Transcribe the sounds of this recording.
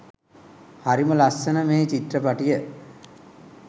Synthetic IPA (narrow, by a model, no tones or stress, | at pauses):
haɾiməlasːənəmeːt͡ʃit̪rəpaʈijə